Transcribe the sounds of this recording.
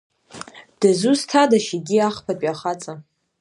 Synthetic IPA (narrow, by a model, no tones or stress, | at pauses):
d̥azustʰadaʃiɡʲiaχpʰapʼiaχat͡sʼa